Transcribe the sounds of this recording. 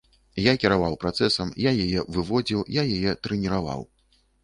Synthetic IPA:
jakʲiɾavawpɾat̪sɛsɐmjajajɛvɨvɔd͡zʲiwjajajɛt̪ɾɛnʲiɾava̰w

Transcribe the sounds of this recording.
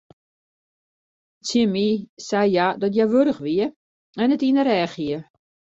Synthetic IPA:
t͡sjimisɛjjadɔtjɛʋøɾəxʋiə | ɛnətinəɾɛːxiə

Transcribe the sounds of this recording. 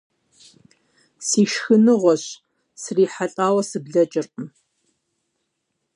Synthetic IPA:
siːʃxɨnɨʁʷɔɕ | sriːħaɬʼaːwɐsɨbɮɐt͡ʃʼɪrʼəm

